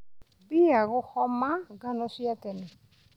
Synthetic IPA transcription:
biaɣʊhɔmaɡanɔsiatɛnɛ

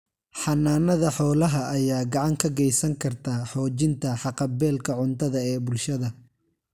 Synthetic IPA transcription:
ħɑnaːnɐðɐħɔːlɐɦɐʔːjaːɡɑʕɑŋkʰɐɡɛjsɐŋkʰɐrt̪ʰaːħɔːt͡ʃɪnt̪ʰɐħɑqɑbɛːlkʰɐʕʊnt̪ʰɐðɐɛːbʊlʃɐðɐ

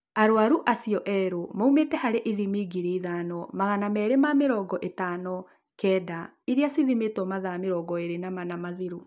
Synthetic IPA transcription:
aɾoaɾuʔasiɔʔɛɾomaumetɛhaɾeʔiðimiɡiɾeiðanɔmaɣanamɛːɾemameɾɔːɡɔʔetanɔ | kɛːda | iɾeasiðimetɔmaðameɾɔːɡɔeɾenamanamaðiɾu

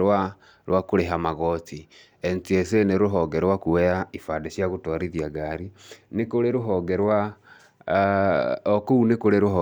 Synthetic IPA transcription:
ɾwa | ɾwakoɾeɦamaɣɔt͡si | ent͡sieseneɾoɦɔɡɛɾwakuwɛaifadaɕjaɣotwaɾiðiaɡaɾinekoɾeɾoɦɔɡɛɾwa | ɔkounekoɾeɾoɦɔ

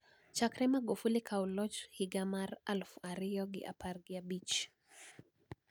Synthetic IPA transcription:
t͡ʃakɾɛmaɡufulikʰawlɔt͡ʃhiɡamaɾalfuaɾijɔɡḭʔa̰pʰaɾɡiabit͡ʃ

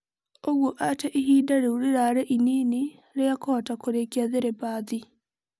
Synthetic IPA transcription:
oɣoʔatɛʔiɦiːdaɾeuɾiɾaːɾɛʔiniːni | ɾejakɔːtakoɾekjaðeɾɛbaːði

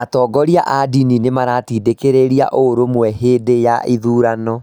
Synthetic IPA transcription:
atɔːɡɔɾiaʔadininemaɾatiːdekeɾeɾia̰ʔoɾomwɛɦeːdejaʔiðuːɾanɔ

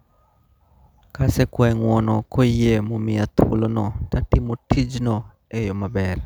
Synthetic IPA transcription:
kasɛkwaŋwɔnɔkojemɔmɪat̪ʰwo̰lonɔtatɪmotʰid͡ʒnɔ | ejɔmabɛr

